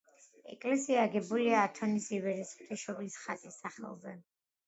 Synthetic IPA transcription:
ɛ̰kʼlɛsiaːɡɛbuliaːt̪ʰɔnisivɛɾɛsχt̪ʰʼiʃɔblisχat̪ʼisːaχɛ̰lˠzɛ

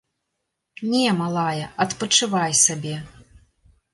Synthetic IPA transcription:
nʲɛmalˠajɐɐt̪pɐt͡ʂɨvajsabʲɛ

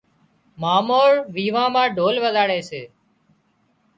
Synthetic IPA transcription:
maːmoːɽʋiːʋãːmãːɖʱoːlʋəzaːɽeːseː

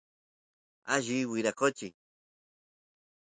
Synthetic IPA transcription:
aʒiwiɾakot͡ʃi

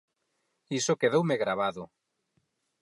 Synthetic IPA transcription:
isokeðowmeɣɾaβ̞aðʊ

